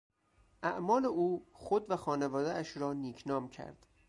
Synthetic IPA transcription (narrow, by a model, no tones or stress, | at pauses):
ʔæʔmɒːleʔuːxod̪væxɒːnevɒːd̪eæʃɾɒːniːkʰnɒːmcʰæ̰ɾd̪̥